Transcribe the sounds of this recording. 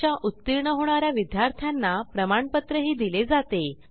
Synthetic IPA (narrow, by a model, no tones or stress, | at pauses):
jaʔut̪ːiɾɳəɦoɽ̃aɾjaʋid̪jaɾt̪ʰjanːapɾəmaɳpət̪ɾəɦiːd̪iled͡zat̪e